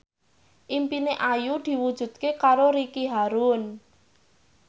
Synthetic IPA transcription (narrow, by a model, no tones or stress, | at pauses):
ʔimpineʔajud̪̥i̤wud̥ʒ̥ṳd̪̥̚kekaɾoɾikiɦaɾun